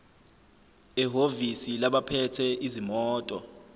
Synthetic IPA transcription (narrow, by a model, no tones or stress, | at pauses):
ɛɦovisilaɓapʰɛtʰɛʔizimɔːtʼɔ